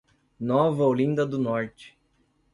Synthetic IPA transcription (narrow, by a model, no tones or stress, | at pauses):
nɔvɐolĩnd̪ɐd̪ʊnɔɾt͡ʃɪ̥